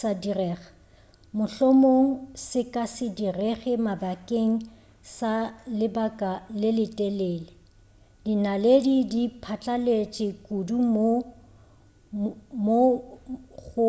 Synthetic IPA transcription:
sadirɛːχḁ | mʊɬɔmoŋ̩sɪkʼasɪdirɛɣɛmabakʼeŋ̩ | salɪbakʼalɪlɪtʼɛlɛːlɪ | dinaledidipʰat͡ɬʼalet͡ʃʼɪkʼudumo | mo | ɣʊ

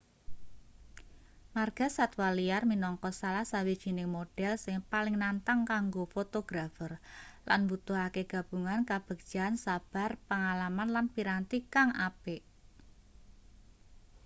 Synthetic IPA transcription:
marɡ̥a̤sat̪walijarminɔŋkɔsalahsawid̥ʒ̥i̤nɪŋmoɖ̥ɛlsɪŋpalɪŋnant̪aŋkaŋɡofot̪oɡ̥ɾafərlanbut̪uɦakeɡ̥ä̤b̥ṳŋankab̥ə̤ɡ̥̚ʒ̥a̤nsab̥a̤rpəŋalamanlanpiɾant̪ikaŋapeʔ

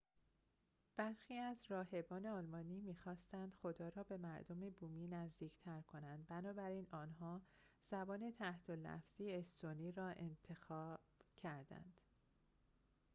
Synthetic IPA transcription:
b̥æɾxiːæzɾɒːɦe̞bɒːne̞ɒːlmɒːniːmiːxɒːst̪ænd̪̥xo̞d̪ɒːɾɒːbe̞mæɾd̪o̞mebuːmiːnæzd̪iːcʰt̪ʰæɾkʰo̞nænd̪̚bænɒːbæɾiːnɒːnɦɒːz̥æbɒːne̞t̪ʰæht̪ʰolæ̰fz̥iːest̪oniːɾɒːʔe̞̰nt̪ʰe̞xɒːb̥cʰæɾd̪æ̰nd̪̥

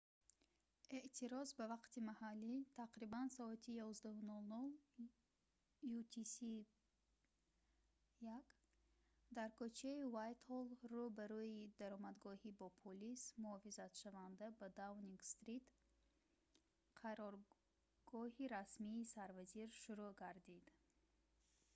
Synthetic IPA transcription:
e̞ʔt̪ʰiɾɔzbavaqt̪imahalːit̪ʰaqɾibansɔat̪ʰijɔzd̪ahunɔlnɔl | jut̪ʰisi | jak | d̪aɾkɔt͡ʃʰaivajt̪hɔlrubaɾuid̪aɾɔmad̪ɡɔhibɔpʰolismuɔfizat̪ʃavand̪abad̪avniŋɡst̪ɾit̪ | qʰaɾɔɾ | ɡ̥ɔɦiɾasmiːsaɾvaziɾʃuɾuɡaɾd̪id̪

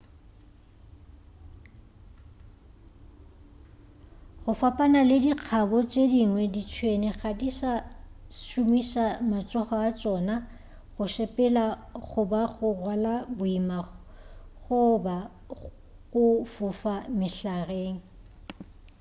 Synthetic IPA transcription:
ɣʊfapʼanalediq͡χʰabɔt͡ʃʼediŋwɛdit͡ʃʰwenɪɣadisaʃumisamat͡sʼɔχɔat͡ʃʼɔna | ɣʊʃɛpʼɛlaɣʊbaɣʊrwalabʊima | ɣʊba | ɣʊfʊfamɪɬareːŋ̩

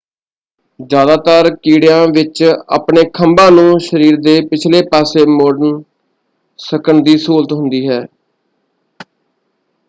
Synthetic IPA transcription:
d͡ʒjaːd̪aːt̪əɾkiːɽɪjãːʋɪt͡ʃa̰ːpɳeːkʰəmbãːnũːʃəɾiːɾd̪eːpɪt͡ʃʰleːpaːseːmoːɾɖən | səkəɳd̪iːsoːlt̪ɦʊnd̪iːɦɛː

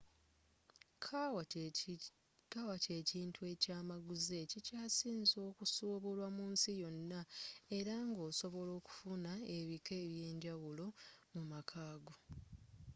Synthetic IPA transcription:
kʰ | kawace̞ːciːntʰue̞caːmaɡuze̞cicaːsiːnzo̞ːkusuːβulwamuːnsijo̞nːae̞ɾaŋɡo̞ːso̞βo̞lo̞ːku̥funae̞βike̞ːβje̞ːɲɟawulo̞mumakʰaːɡo

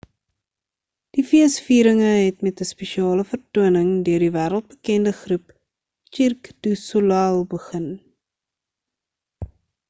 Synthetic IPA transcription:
d̥ifiəsfiːɾəŋəɦɛtmɛtəspɛʃiɑːləfərtuənəŋdøərdivæːɾəlˠt̚bəkɛndəχrup | t͡ʃirkd̥usulalˠbəχən

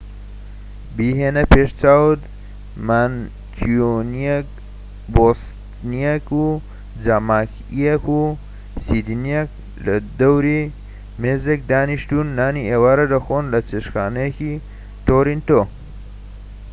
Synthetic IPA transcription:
biɦeːnɐpʰeːʃt͡saːwt̪ | man | kʰoniek | bost̪ | nijeku | d͡zamaːk | ijeku | sid̪inijek̚ | lɐd̪ɐwɾi | meːzek̚d̪aːniʃt̪unːaːnieːwaːɾɐdɐxoːnlɐt͡seʃxaːnɐjeki | t̪oɾint̪o

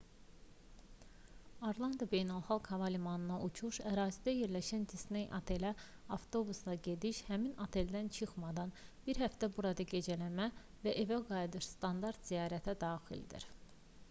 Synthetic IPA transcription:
oɾlˠɑnd̪ɑbe̞jnælˠxɑlˠkhɑvɑlimɑnɯnɑʔut͡ʃʰuʃæɾɑːzid̪æje̞ɾlæʃænd̪isne̞jʔɑ̰t̪ʰe̞læ | ɑft̪ʰo̞buslˠɑɟe̞d̪iʃhæminɑt̪ʰe̞ld̪ænt͡ʃʰɯxmɑd̪ɑnb̥iɾɦæft̪æbuɾɑd̪ɑɟe̞d͡ʒælæmæ | væʔe̞væɡɑjd̪ɯɾst̪ɑnd̪ɑɾt̪z̥ijɑːɾæt̪ʰæd̪ɑːxḭld̪ḭɾ

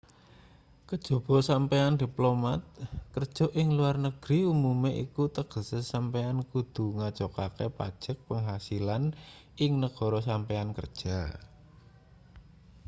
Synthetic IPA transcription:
kəd̥ʒ̥o̤b̥ɔ̤sampeand̪̥i̤plomat̪̚kərd̥ʒ̥ɔ̤ʔɪŋluarnəɡ̥ɾiumumeʔḭkut̪əɡ̥ə̤sesampeankud̪̥ṳŋḁʒ̥ɔkakepa̰d̥ʒ̥ək̚pəŋɦasilan | ʔɪŋnəɡ̥ɔ̤ɾɔs̬ampeankə̰rd̥ʒ̥a̤

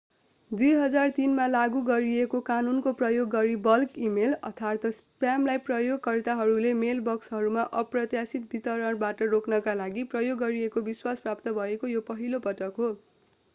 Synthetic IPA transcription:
d̪ujɦʌd͡zart̪inmalaɡuɡʌɾiekokanunkoprʌjoɡːʌɾibʌlkimelʌ̰t̪ʰart̪ʰʌspjamlajprʌjoɡkːʌrt̪aɦʌɾulemelbʌksɦʌɾumaʔʌprʌt̪jasit̪̚bit̪ʌɾʌɽbaʈʌroknʌkalaɡiprʌjoɡːʌɾiekobiswasprap̚t̪ʌbʱʌekojopʌɦilopʌʈʌkɦo

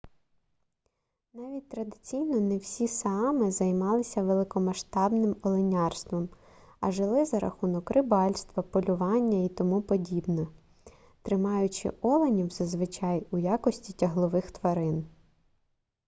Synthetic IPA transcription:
nɑʋʲit̚ʲt̪ɾɐd̪ɪt͡sʲijnɔnɛwsʲisɑmɪzɐjmɑlˠɪsʲɐʋelˠɪkɔmɐʃt̪ɑbnɪmɔlˠɪnʲɑrst̪ʋɔm | ɐ̰ʒɪlˠɪzɐɾɐ̰xunɔkɾɪbɑlʲst̪ʋɐpɔlʲʊʋɑnʲːɐit̪ɔmupɔdʲibnɛ | t̪ɾɪmɑjʊt͡ʃɪ̰ʔɔlˠenʲiwzɐzʋɪt͡ʃɑjujɑkɔsʲtʲitʲɐɦlˠɔʋɪxt̪ʋɐɾɪn

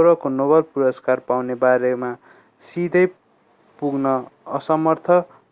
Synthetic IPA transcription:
ɾʌkonobʌlpuɾʌskarpawnebaɾema | sid̪ʱʌj | puɡnʌʌsʌmʌrt̪ʰʌ

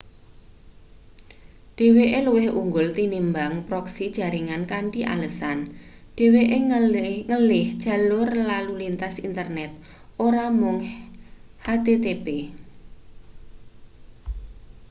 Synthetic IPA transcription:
ɖ̥e̤weʔeluwɪhuŋɡʊlt̪inimbaŋpɾɔksid̥ʒ̥a̤ɾiŋankaɳʈiʔa̰ləsan | ɖ̥e̤weʔeŋəlɪhd̥ʒ̥a̤lʊrlalulint̪asint̪ərnɛt̪̚ | ʔoɾamʊŋ | hat̪et̪ebe

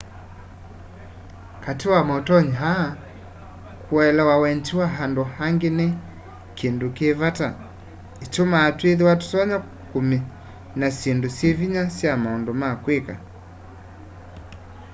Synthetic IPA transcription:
katiwamɔtɔɲɦa | kuaɛlawawɛnt͡ʃiwaɦandɔhaŋɡenɛ | kindukevata | it͡ʃɔmaːtweðiwatu̥sɔɲa | kumi | nasendusieviɲasjamaɔndɔmakweka̰

